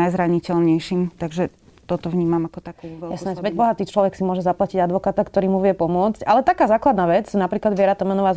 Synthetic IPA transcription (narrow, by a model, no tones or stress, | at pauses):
ajzɾaɲicɛlɲɛjʃimt̪aɡʒɛ | t̪ɔt̪ɔʋɲiːmamakɔt̪akuʋɛljasɔnazʋɛbɔɦat̪iːt͡ʃlɔʋɛksimʊɔʒɛzaplaciɟad̪ʋɔkaːt̪akt̪ɔɾiːmuʋɪjɛpɔmʊɔt͡scalɛt̪akaːzaːklad̪naːʋɛt͡snapɾiːklad̪ʋɪɛɾat̪ɔmɛnɔʋaː